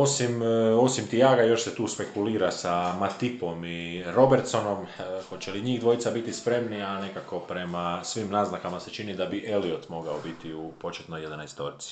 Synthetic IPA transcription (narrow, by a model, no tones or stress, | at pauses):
osimo̞simt̪ijaːɡajo̞ʃset̪uːspe̞kuliːɾasamat̪ipo̞miɾo̞beɾt̪so̞no̞mxo̞t͡ʃeliɲiːɣd̪ʋo̞it̪sabit̪ispɾe̞mniane̞kako̞pɾe̞masʋiːmnaːznakamaset͡ʃinid̪abiʔe̞liot̪mo̞ɡaobit̪iupo̞t͡ʃet̪nojed̪anajst̪o̞ɾit̪si̥